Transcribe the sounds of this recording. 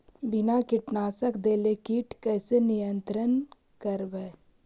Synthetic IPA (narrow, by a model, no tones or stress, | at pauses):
bɪnakɪʈnaːsəkd̪eːlekiːʈkɛːsenijə̃nt̪ɾən | kəɾbeː